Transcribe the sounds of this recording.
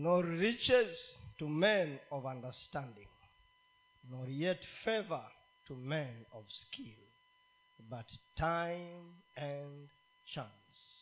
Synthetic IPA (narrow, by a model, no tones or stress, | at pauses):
nɔɹit͡ʃɛztumɛ̃nɔvʌ̃ndə˞stæ̃ndɪ̃ŋ | nɔɹjɛtfɛvə˞ | tʰumɛ̃nɔv̥skʰilˠ | bʌtʰãɪmɨ̃n | t͡ʃãns